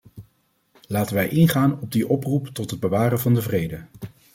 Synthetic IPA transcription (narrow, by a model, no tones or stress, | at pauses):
laːtənʋɛjʔɪnχaːnɔb̚diʔɔpruptɔtɦəd̚bəʋaːrənvɑndəvrejdə